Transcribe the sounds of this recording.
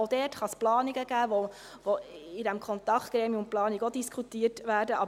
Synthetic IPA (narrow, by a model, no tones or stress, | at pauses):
odɛːtχɑsplɑːniɡəɡ̥æːvo | voɪdɛmkʰχɔnt̪ɑkχtɡ̥ɾɛːmiəʊnt̚plɑːniɡodiskʰχutiːətvæːɾdəʔɑb